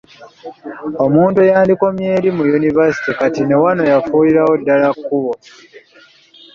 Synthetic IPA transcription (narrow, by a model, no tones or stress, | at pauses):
o̞muːntujaːndikomjeːɾimujunivasi̥tikatine̞wano̞jafuːliɾawo̞dːalakːuβo̞